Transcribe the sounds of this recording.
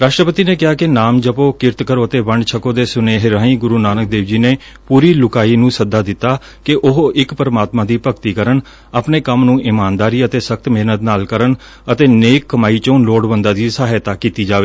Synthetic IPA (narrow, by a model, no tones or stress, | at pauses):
ɾaːʃʈɾəpət̪iːneːkɪaːkɪnaːmd͡ʒəpoːkɪɾt̪kəɾõːət̪eːʋəɳɖt͡ʃʰəkõːd̪eːsʊneːɦɾaːĩːɡʊɾuːnaːnək̚d̪eːʋd͡ʒiːneː | puːɾiːlʊkaːiːnũːsəd̪aːd̪ɪt̪ːaː | kɪʔʊɦɪkpəɾəmaːt̪mãːd̪iːpəkt̪iːkəɾən | aːpneːkəmnũːʔɪmaːnd̪aːɾiːət̪eːsək̚t̪meːnət̪naːlkəɾən | ət̪eːneːkːəmaːiːt͡ʃõːloːɽbənd̪aːd̪iːsaːɦɪt̪aːkiːt̪iːd͡ʒaːʋeː